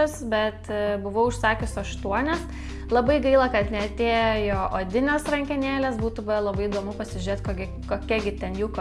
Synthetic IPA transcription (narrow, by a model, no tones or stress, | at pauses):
osbʲɛt̪bʊʋɐʊʊʃsɑːkʲʊsɐʃt̪uɔnʲɛs | lˠɐbɐɪɡɐɪlˠɐkɐt̪nʲɛɐt̪ʲeːjjoːʔoːd̪ʲɪnʲoːsrɐŋʲkʲɛnʲeːlʲeːsbuːt̪ʊbɐlˠɐbɐɪɪd̪oːmʊpɐsʲɪʒʲyɾʲeːt̪koɡʲɪ | koːkʲɛɡʲɪt̪ʲɛnjuːk